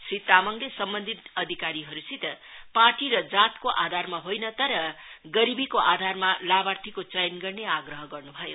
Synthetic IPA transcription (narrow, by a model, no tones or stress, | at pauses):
srit̪amʌŋlesʌmbʌnd̪ʱit̪ʌd̪ʱikaɾiɦʌɾusit̪ʌ | parʈiɾʌd͡zat̪koʔad̪ʱarmaɦojnʌt̪ʌɾʌɡʌɾibikoʔad̪ʱarmalabart̪ʰikot͡sʌjnɡʌrneaɡrʌɦʌɡʌrnubʱʌjo